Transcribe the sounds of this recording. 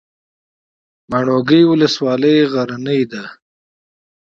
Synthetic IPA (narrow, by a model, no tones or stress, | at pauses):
maɳoɡəjwʊləswɑləjɣaɾanəjd̪a